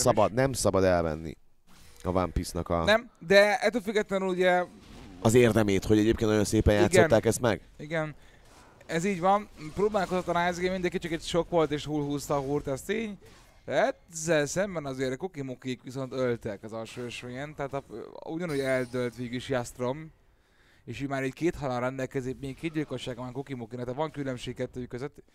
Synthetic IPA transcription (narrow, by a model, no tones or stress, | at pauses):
sɒbɒd̪̚nɛmsɒbɒd̪ɛlvɛ̰nːḭ | ɒva̰mpisnɒkɒnɛmd̪ɛɛt̪uːlfyɡɛt̪lɛnyluɟɛ | ɒzeːrd̪ɛmeːt̪ho̞ɟɛɟeːpkennojonseːpɛnjaːt̪ɡsonːaːkɛst̪mɛ̰ɡ̥ | iɡɛn | ɛziːɟʋɒnpɾoːbaːlkozot̪lɒnaːzɡemind̪ɛŋkit͡ʃɒkɛcʃo̞kʋo̞lt̪eːʃhuːlɦuːst̪ɒɦuːrt̪ɛst̪eːɲ | ɛzːɛlsɛmbɛnɒzeːɾkokimokikʋiso̞nt̪ølt̪ɛkɒzɒlʃoːɛʃejɛnt̪ɛɦaːt̪ɒuɟɒnuːɟɛld̪ølt̪ʋeːɡyiʃjast̪ro̞m | eːʃimaːɾɛɟkeːt̪hɒlanrɛnd̪ɛlkɛzikmeːkkːeːd̪̚ɟilkoʃaːɡɒmaːŋkokimokinɛt̪ɛʋɒŋkylømʃeːk̚kːɛt̪ːøkøzøt̪ː